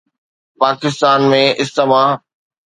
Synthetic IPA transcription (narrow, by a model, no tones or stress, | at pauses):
paːkɪst̪aːnmẽʔɪst̪əmaːɦ